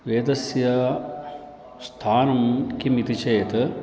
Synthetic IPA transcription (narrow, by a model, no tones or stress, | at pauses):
ʋeːd̪ɐsjɐ | st̪ʰaːnumkimit̪it͡ʃɐjɐt̪